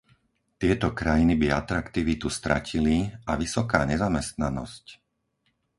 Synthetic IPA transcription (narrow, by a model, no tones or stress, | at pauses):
t̪ɪɛt̪ɔkɾajinibiat̪ɾakt̪iʋit̪ust̪ɾa̰cʰiliaʋisɔkaːɲɛzamɛst̪nanɔ̰sc